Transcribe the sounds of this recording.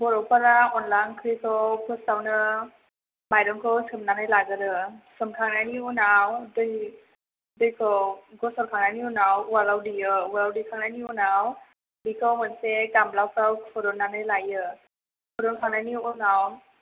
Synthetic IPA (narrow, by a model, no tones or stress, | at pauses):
bɔɾɔwpaɾaɔnlankʰikʰɔwkʰɯstawnɯ | majɾɔŋkʰɯwsɯmnanɯjlaɡɯɾɯsɯmkʰaŋnajniunawdɯj | dɯjkʰɯwɡɔsɔlkʰaŋnajniunawwalawdijɯwalawdikʰaŋnaniunaw | bikʰɔwmɯnsekamlawkʰɾawpʰɔɾɔŋnanɯjlajɯ | pʰɔɾɔnkʰaŋnajniunaw